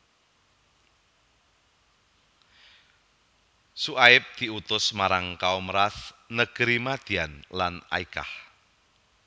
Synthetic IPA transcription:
suaɪp̚d̪̥i̤ut̪ʊsmaɾaŋkaumɾaθnəɡ̥ɾimad̪̥i̤anlana̰ika̰h

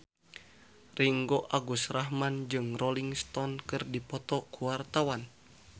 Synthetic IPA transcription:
riŋɡoʔaɡusrahmand͡ʒɨŋrɔliŋst̪ɔnkɨrdipɔt̪ɔkuwart̪awan

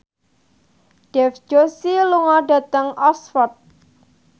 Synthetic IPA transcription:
ɖ̥ɛfd͡ʒ̥osiluŋɔɖa̤t̪əŋʔɔsfɔt̪̚

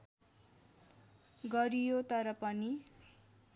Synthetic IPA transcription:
ɡʌɾijot̪ʌɾʌpʌni

